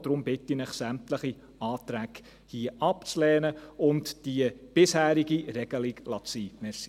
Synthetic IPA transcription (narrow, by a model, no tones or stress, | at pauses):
d̥ɾʊmbɪtːinɪχsæmtləχi | ɑːt̪ɾæk | hiəʔɑpt͡slɛːnəʊntd̥iəb̥ɪshæːɾiɡiɾɛɡ̥əliklɑt͡siːmɛs